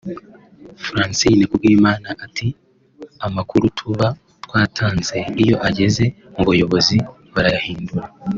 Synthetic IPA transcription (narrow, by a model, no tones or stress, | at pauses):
fɾaːnsijnekubɡiːmaːnaʔati | amakuɾutʰuβa | twaːtʰaːnze̞ijo̞ʔaɟe̞ze̞ | muβujo̞βo̞zi | βaɾajahiːnduɾa